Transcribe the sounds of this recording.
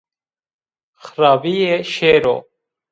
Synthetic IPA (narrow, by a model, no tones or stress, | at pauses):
xɾaːvijeʃeːɾo̰